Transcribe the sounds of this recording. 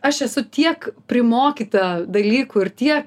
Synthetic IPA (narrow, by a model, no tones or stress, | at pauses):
ɐʃɛsʊt̪ʲiɛkpʲɾʲɪmoːkʲit̪ɐd̪ɐlʲiːkuːɪrt̪ʲiɛk